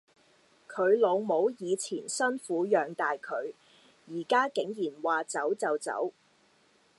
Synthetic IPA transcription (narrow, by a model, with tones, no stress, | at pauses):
kʰɵ˨˧ɥlo˨˧wmo˨˧˥wjiː˨˧t͡sʰiː˨˩nsɐ˥nfuː˨˥jœː˨ŋt̪aː˨jkʰɵ˨˧ɥ | jiː˨˩kaː˥kɪ˨˥ŋjiː˨˩nwaː˨t͡sɐ˨˥wt͡sɐ˨wt͡sɐ̰˨˥w